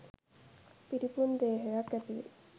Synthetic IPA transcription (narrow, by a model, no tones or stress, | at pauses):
piɾipund̪eːɦejakæt̪i